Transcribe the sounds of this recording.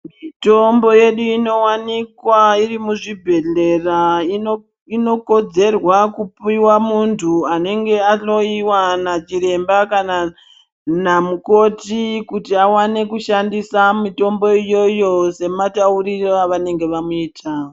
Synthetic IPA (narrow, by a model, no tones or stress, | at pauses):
mito̞mbo̞je̞ɗuino̞wanikwairimuʐibʱe̞ɮe̞rao | ino̞ko̞d͡ze̞rwakupiwamuntʰuane̞ŋɡe̞ano̞iwanat͡ʃiɾe̞mbakana | namuko̞tikutiawane̞kuʃandisamito̞mbo̞ijo̞jo̞se̞matauriroaʋane̞ŋɡe̞ʋamuiːtaːo